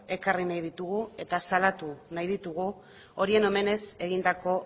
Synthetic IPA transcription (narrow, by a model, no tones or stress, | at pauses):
e̞karinajð̞it̪uɣue̞t̪asalat̪unajðit̪uɣ̞u | o̞ɾie̞no̞me̞ne̞se̞ɣ̞ind̪ako̞